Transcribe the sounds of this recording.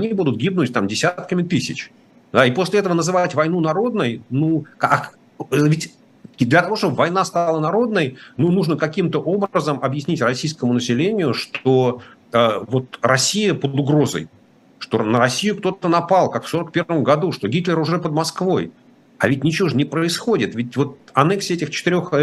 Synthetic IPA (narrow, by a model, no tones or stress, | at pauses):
ɐnʲibud̪ʊt̪̚ɡʲib̚nʊtʲt̪amdʲɪsʲat̪̚kəmʲɪt̪ɨsʲɪt͡ɕ | d̪aipo̞sʲlʲɪɛt̪əvənəzɨvatʲvɐjn̪unɐɾo̞d̪nəjnuk | vʲɪtʲ | d̪lʲət̪ɐvo̞ʂt̪obvɐjn̪ast̪ɑlˠənɐɾo̞d̪nəjnunuʐnəkɐkʲimt̪əʔo̞bɾəzəmʔɐbjɪsʲnʲitʲrɐsʲijskəmʊnəsʲɪlʲenʲɪjʊʂt̪o | əvo̞t̪rɐsʲːijəpəd̪ʊɡɾo̞zə̰j | ʂt̪o̞nəɾɐsʲːijʊk̚t̪o̞t̪ənɐpɑlˠkakfso̞ɾək̚pʲe̞rvəmɡɐd̪uʂt̪o̞ɡʲit̪lʲɪɾʊʐɛpəd̪mɐskvo̞j | ɐvʲɪtʲnʲɪt͡ɕɪvoʐnʲɪpɾəɪsxo̞dʲɪt̪vʲɪtʲvo̞t̪̚ɐnɛksʲɛtʲɪxt͡ɕɪ̥t̪ɪɾʲox